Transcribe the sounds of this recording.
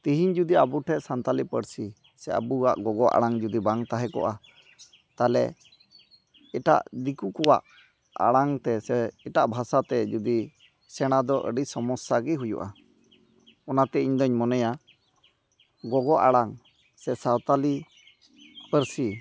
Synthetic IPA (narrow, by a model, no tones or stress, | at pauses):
t̪iɦiɲd͡ʒud̪iabuʈʰɛʔsant̪alipə̰ɾsi | sɛa̰bua̰ʔɡɔɡɔʔa̰ɽaŋd͡ʒud̪ibaŋt̪aɦɛkɔ̰ʔa | t̪alɛ | ɛʈa̰ʔd̪ikukɔwa̰ʔ | a̰ɽaŋt̪ɛsɛɛʈaʔbʱasat̪ɛd͡ʒud̪i | sɛɽ̃ad̪ɔʔə̰ɖisɔmɔsaɡiɦujṵʔa | ɔnat̪ɛiɲd̪ɔɲmɔnɛja | ɡɔɡɔʔaɽaŋ | sɛsawt̪ali | pəɾsi